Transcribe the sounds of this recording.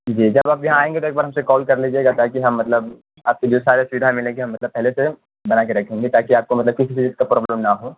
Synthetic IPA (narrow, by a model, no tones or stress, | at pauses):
d͡ʒiːd͡ʒɐbaːpjɐɦãaːẽːŋɡet̪oeːk̚baːɾɦɐmsekɔːlkɐɾliːd͡ʒieːɡat̪aːkiɦɐmːɐt̪ləb | aːp̚kid͡ʒoːsaːɾesʊʋɪd̪ʱamɪlẽːɡeɦɐ̃mːɐt̪ləb̚pɛɦlese | bɐnaːkeɾɐkʰẽːŋɡet̪aːkiaːp̚komɐt̪ləb̚kɪsit͡ʃiit̪̚kapɾɔːbləmnaɦoː